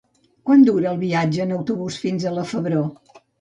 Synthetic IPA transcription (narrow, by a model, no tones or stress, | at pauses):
kwand̪uɾəːlˠβiad͡ʒəːnəwt̪uβusfinzələfəβɾo